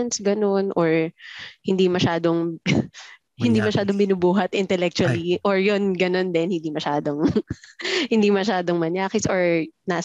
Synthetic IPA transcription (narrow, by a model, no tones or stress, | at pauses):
nsɡɐno̞nʔoɹhɪnd̪imɐʃaːd̪oŋ | hɪnd̪imɐʃaːd̪oŋbɪnubuːɦɐt̪ɪnt̪ɛlɛk̚t͡ʃuɐliʔoɹjonɡɐno̞nd̪ɛnhɪnd̪imɐʃaːd̪oŋ | hɪnd̪imɐʃaːd̪oŋmɐnjaːkɪsoɹnaː